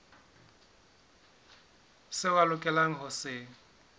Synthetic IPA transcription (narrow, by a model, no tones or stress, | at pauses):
sɪwalʊkʼɛlaŋ̩ɦʊsɪːŋ̩